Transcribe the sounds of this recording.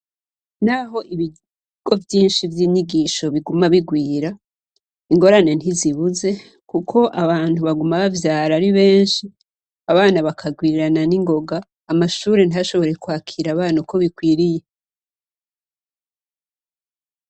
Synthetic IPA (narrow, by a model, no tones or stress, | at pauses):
n̥aːɦo̞ʔiβi | ɡ̥o̞vjiːnʃivjiːɲiɡiʃo̞βiɡumaβiɡwiːɾa | iŋɡo̞ɾane̞n̥iziβuze̞ | kukʰo̞ʔaβaːntuβaɡumaβavjaːɾaɾiβe̞ːnʃi | aβaːnaβakʰaɡwiːɾiɾananiŋɡo̞ɡaː | maʃuːɾe̞naʃo̞βo̞ɾe̞kwaːkʰiɾaβaːnauko̞βikwiːɾije̞